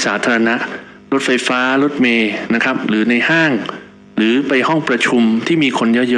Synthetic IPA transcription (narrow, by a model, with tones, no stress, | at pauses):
saː˩˦t̪ʰaː˧ɾa˧na˦˥ʔ | ɾo˦˥t̪̚fa˧jfaː˦˥ɾo˦˥t̪̚meː˧na˦˥kʰɾa˦˥p̚ɾɯː˩˦na˧jhaː˥˩ŋ | ɾɯː˩˦pa˧jhɔ˥˩ŋpɾa˧t͡ɕʰu˧mt̪ʰiː˥˩miː˧kʰo˧nja˦˥jɤː˦˥